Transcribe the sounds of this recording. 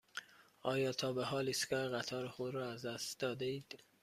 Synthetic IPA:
ʔɒːjɒːt̪ʰɒːbeɦɒːliːskæɾɣæt̪ʰɒːɾexod̪ɾɒːæzd̪æst̪d̪ɒːd̪eiːd̪̥

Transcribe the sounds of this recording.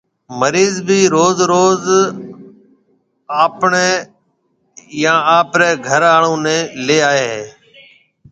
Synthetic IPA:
məɾiːzbʱiːɾoːzɾoːz | aːpɳeː | jãːaːpɾeːɡʱəɾaːɳõːnẽːleːaːeːɦeː

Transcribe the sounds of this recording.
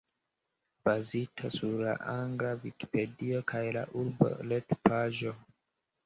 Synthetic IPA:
b̥azitʰasuɾla̰ʔaŋɡlaviki̥pe̞dio̞kʰajla̰ʔuɾbo̰letpʰaʒo̞

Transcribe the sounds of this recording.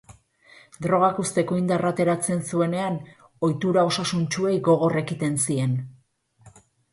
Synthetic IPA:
d̪ɾo̞ɣ̞akust̪e̞koind̪arat̪e̞ɾat͡se̞nsue̞ne̞an | o̞jt̪uɾao̞sasunt͡ʃue̞jɡo̞ɣ̞o̞re̞kit̪e̞nsie̞n

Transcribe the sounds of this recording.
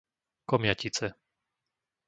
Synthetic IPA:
kɔmɪacit͡sɛ

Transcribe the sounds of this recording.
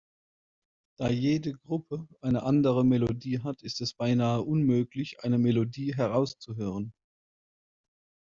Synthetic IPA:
d̥aːjeːdəɡʁʊpʰəʔaɪnəʔandəʁəmelodiːɦatʰɪstɛsb̥aɪnaːəʔʊnmøːklɪçʔa̰ɪnəmelodiːɦɛʁ̞aʊst͡suɦøːʁ̞ən

